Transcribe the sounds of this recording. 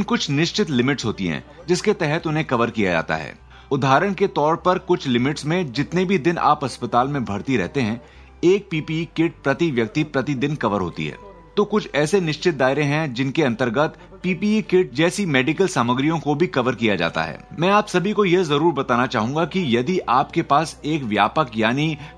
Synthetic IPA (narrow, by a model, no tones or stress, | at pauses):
nkʊt͡ʃʰnɪʃt͡ʃɪt̪lɪmɪʈsɦoːt̪iɦɛ̰̃ | d͡ʒɪsket̪ɛɦɛt̪ʊnɦẽkɐʋəɾkija̰d͡ʒa̰ːt̪a̰ɦɛ̰ː | ʊd̪ʱaːɾəɽ̃ket̪ɔːɾpɐɾkʊt͡ʃʰlɪmɪʈsmẽd͡ʒɪt̪nebʱid̪ɪna̰ːpɦɐspət̪aːlmẽbʱɐɾt̪iɾɛ̰ɦt̪eɦɛ̃ | eːk̚piːpiːikɪʈ̚pɾɐt̪iʋjɐk̚t̪ipɾɐt̪id̪ɪnkɐʋəɾɦo̰ːt̪ḭɦɛ̰ː | t̪okʊt͡ʃʰɛːsenɪʃt͡ʃɪt̪̚d̪aːɪɾẽɦɛ̃d͡ʒɪnkeɐ̃nt̪əɾɡət̪ | piːpiːikɪʈ̚d͡ʒɛːsimɛːɖɪkəlsaːməɡɾijõkobʱikɐʋəɾkijad͡ʒa̰ːt̪a̰ɦɛ̰ːmɛ̃ːaːpsɐbʱikojezɐɾuːɾbɐt̪aːnat͡ʃaːɦũːŋɡakijɐd̪iʔaːpkepaːseːkʋjaːpəkjaːni